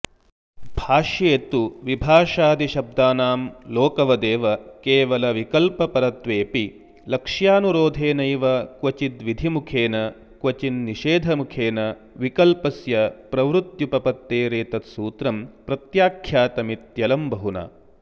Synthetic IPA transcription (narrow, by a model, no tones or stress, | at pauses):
bʱaːʃjeːt̪uʋibʱaːʃaːd̪iʃɐb̚d̪aːnaːmloːkɐʋɐd̪eːʋɐkeːʋɐlɐʋikɐlpɐpɐɾɐt̪ʋeːpi | lɐkʂjaːnuɾoːd̪ʱeːnɐjʋɐkʋɐt͡ʃit̪ʋid̪ʱimukʰeːnɐ | kʋɐt͡ʃinːiʃeːd̪ʱɐmukʰeːnɐ | ʋikɐlpɐsjɐpɾɐʋɾut̪jupɐpɐt̪ːeːɾeːt̪ɐt̪suːt̪ɾɐmpɾɐt̪jaːkʰjaːt̪ɐmit̪jɐlɐmbʱɐɦuna̰ː